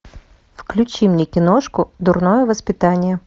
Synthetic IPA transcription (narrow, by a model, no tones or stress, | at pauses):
fklʲʉt͡ɕimnʲekʲɪnoʂkʊd̪ʊrnojəvəspʲɪt̪anʲɪjə